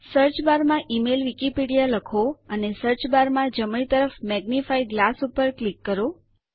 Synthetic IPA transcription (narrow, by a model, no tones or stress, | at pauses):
səɾt͡ʃbaɾmãʔimelʋikipiɽijaləkʰoənesəɾt͡ʃbaɾmãd͡ʒəmɭit̪əɾəfmɛɡnifaiɡlasupəɾklikːəɾo